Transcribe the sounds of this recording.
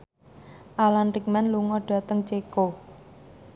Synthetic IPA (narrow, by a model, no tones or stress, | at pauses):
ʔalanrik̚manluŋɔdɖ̥a̤t̪əŋt͡ʃeko